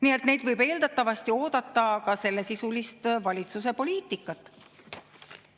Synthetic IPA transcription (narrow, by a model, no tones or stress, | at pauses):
nielt̪ne̞jd̪vɤjbe̞ːld̪̥ɑt̪ːˑɑvɑst̪io̞ːd̪̥ɑt̪ːˑɑkɑse̞lːe̞sisulist̪vɑlʲit̪sus̬e̞po̞liːt̪ːˑikːˑɑt̪ːˑ